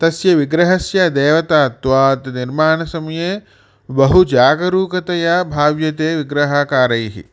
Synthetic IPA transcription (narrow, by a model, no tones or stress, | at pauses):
t̪ɐsjɐʋiɡɾɐɦɐsjɐd̪eːʋɐt̪aːt̪ʋaːt̪niɾmaːɳɐsɐmɐjeː | bɐɦud͡ʒaːɡɐɾuːkɐt̪ɐjaːbʱaːʋjɐt̪eːʋiɡɾɐɦaːkaːɾɐjɦḭ